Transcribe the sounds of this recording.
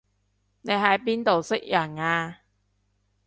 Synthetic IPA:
ne˨˧jɦɐ˨˥jp̬iː˥nt̪o˨wsɪ˥k̚jɐ˨˩naː˧

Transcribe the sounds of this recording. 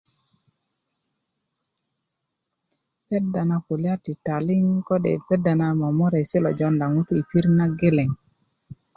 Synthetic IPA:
pɛ˦da˨na˨ko˨lja˦ti˨ta˨lɪ˦ŋkɔ˦dɛ̰˨pɛ˦da˨na˦ma˨mɔ˦ɾa˨sɪ˦lɔ̰˨d͡ʒɔ˦nda˨ŋu˦tu˦i˨pi˦ɾna˦ɡe˦le˨ŋ

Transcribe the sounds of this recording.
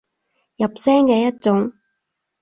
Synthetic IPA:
jɐ˨p̚sɛː˥ŋkɛː˧jɐ˥t̚t͡sʊ˨˥ŋ

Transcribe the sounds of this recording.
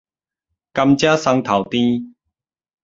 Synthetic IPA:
ka˧mt͡ɕjaː˦sa˧ŋt̪ʰa˨˩wt̪ĩ˦

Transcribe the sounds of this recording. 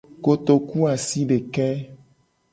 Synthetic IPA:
ko˨t̪o˨ku˦a˨si˦ɖe˨kɛ˦

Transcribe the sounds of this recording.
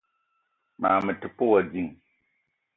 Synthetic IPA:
ma̰ː˨mɨ˨tɪ˨pʊ˦wɔ˨d͡ʒi˦ŋ

